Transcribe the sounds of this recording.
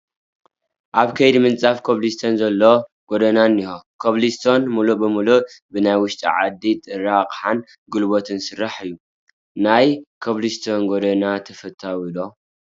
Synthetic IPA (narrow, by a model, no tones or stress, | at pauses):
ʔaβkʰɐjd̪imɨnt͡sʼafkʰoβlist̪ʰonzɐlːo̞ | ɡ̥od̪ɐnanːihokʰoβlist̪ʰo̞nmulubɨmuluʔbɨnajwʊʃt̪ʼḭʕa̰d̪it̪ʼɨɾakʼħan | ɡulbot̪ʰɨnsɨrːaħɨjːu | najkʰoβlist̪ʰo̞nɡod̪ɐnat̪ʰɐfɐt̪ʰːawilo